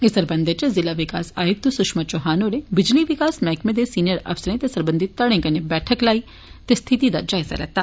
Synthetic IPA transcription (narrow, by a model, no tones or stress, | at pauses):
ɪsəɾbɐ̃nd̪et͡ʃezɪlaʋɪkaːsa̰ːjʊk̚t̪usʊʃmət͡ʃoɦaːnoɾebɪd͡ʒliʋɪkaːsmɛːkmẽd̪esiːnijəɾɐ̰fsəɾẽt̪esɐɾbə̃nd̪it̪ɐɽẽkɐnebɛːʈʰəklaːi | t̪est̪ʰɪt̪id̪ad͡ʒaːɪza̰ɾɐɦt̪aː